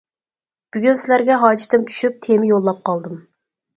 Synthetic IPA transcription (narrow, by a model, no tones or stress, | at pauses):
b̥yɡʲynsɪlæɾɡʲɛɦɑːd͡ʒit̪ɪmt͡ʃʲʰy̥ʃyp̚t̪ʰemɪjolˠːɑp̚qɑlˠd̪ɨm